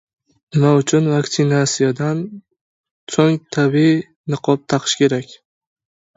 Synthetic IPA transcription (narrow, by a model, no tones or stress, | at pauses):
nɪmaʊt͡ʃʰʊnvakt̪sɪnasijad̪an | soŋt̪ʰabii | nɨqʰɒp̚t̪ʰaqʰɨ̥ʃkʲʰe̞ɾakʲ